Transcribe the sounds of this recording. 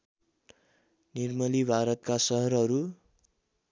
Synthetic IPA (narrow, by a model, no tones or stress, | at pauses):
nirmʌlibʱaɾʌt̪̚kasʌɦʌɾɦʌɾu